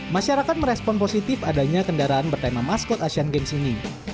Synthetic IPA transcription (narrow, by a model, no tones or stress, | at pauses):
maʃaɾakat̪̚məɾɛspɔnposit̪ɪfadaɲakəndaɾaanbərt̪amamaskʊt̪aʃianɡɛmsini